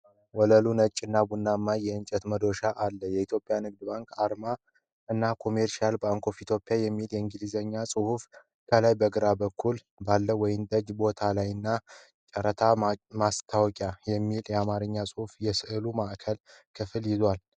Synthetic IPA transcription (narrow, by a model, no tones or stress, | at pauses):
wɔləlunət͡ʃʼːɨnːabunːamːajɛɨnt͡ʃʼɛt̪məd̪o̞ʃaʔalːəjɛit̪ʰjo̞pʼjanɨɡ̚d̪ɨbaŋkaɾma | ɨnːakʰo̞meɾʃialbaŋkʰo̞fit̪ʰjo̞pʼːjajɛmːiljɛɨŋɡɨlizəɲːasʼɨhuf | kʰəlajbəɡɨɾabəkʰːul | balːəwɔjɪmd̪əd͡ʒbo̞t̪ʰalajɨnːa | t͡ʃʼəɾət̪ʰamast̪ʰawkʼjajɛmːiljɛamaɾɨɲːasʼɨhufjɛsɨʔɨlumaʔkʰəlkʰɨfɨljɪzwal